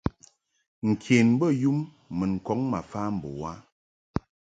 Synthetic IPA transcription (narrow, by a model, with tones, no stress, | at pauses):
ŋ̩˨kʰe˨nbə˦˨ju˦mː | ə˨n̩˨kɔ˦ŋma˨fa˦m̩˨bo̰˨wa˦